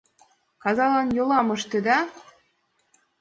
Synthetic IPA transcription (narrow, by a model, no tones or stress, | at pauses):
kɑzɑlɑnjolˠɑmɤ̆ʃt̪ĕd̪ɑ